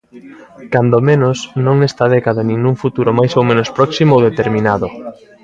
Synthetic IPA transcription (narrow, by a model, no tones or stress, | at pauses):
kand̪omenosnõŋnɛst̪að̞ɛkaðanĩŋuŋfut̪uɾomajsowmẽnospɾɔksimoowðet̪eɾmĩnaðʊ